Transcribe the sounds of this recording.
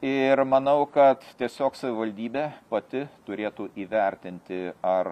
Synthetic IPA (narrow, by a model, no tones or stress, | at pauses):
ɪɾmɐnɐʊkɐt̪t̪ʲiɛsʲoːksɐʋʲɪʋɐlʲd̪ʲiːbʲeːpɐt̪ʲɪt̪ʊɾʲeːt̪uːʔiːʋʲɛɾʲt̪ʲɪnʲt̪ʲɪɐr